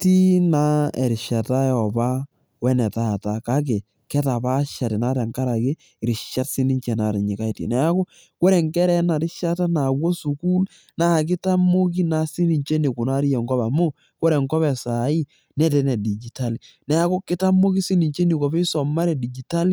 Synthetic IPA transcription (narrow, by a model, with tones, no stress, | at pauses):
ti˦na˦ɛ˨ɾɪ˨ʃa˨ta˦jɔ˨ba˦ | wɛ˦nɛ˨ta˦˨ta˨ka˦k̬e˨ | kɛ˦ta˨pa˦ʃa˨tɪ˨na˦tɛ˨ŋka˦ɾa˨ke˦˨ | ɾɪ˨ʃa˦tsɪ˦ni˦ɲt͡ʃɛ˨na˨ɾɪ˨ɲi˨ka˦i˦tḭ˨nɛ˨˦a˦ko˦ | ko˦ɾɛ˨ŋkɛ˦ɾɛ˦na˨ɾɪ˦ʃa˦ta˦na˨wɔ˦su˨ku˦l | na˦˨k̬ɪ˦ta˦mo˦k̬i˦na˨si˦ni˨ɲt͡ʃe˦ni˨kʊ˨na˦ɾi˦jɛ˨ŋɡɔ˦ba˨mo˦ | ko˦ɾɛ˨ŋkɔ˦βɛ˨sa˨i˦ | nɛ˦tɛ˨˦nɛ˨di˨d͡ʒi˨ta˦li | nɛ˨a˦ko˦kɪ˦ta˦mo˦ki˦si˦ni˨ɲt͡ʃe˦ni˨kɔ˨pe˦sɔ˨ma˦ɾɛ˨di˨d͡ʒi˨ta˦li˦